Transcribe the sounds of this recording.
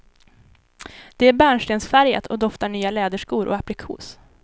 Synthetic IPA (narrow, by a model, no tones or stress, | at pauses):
d̪̥ɛæɾbæːɳʂʈeːnsfæɾjə̰t̪ʰɔd̪ɔft̪aɳyːalɛːd̪əʂkuːɾʔɔ̰apɾɪkʰṵːs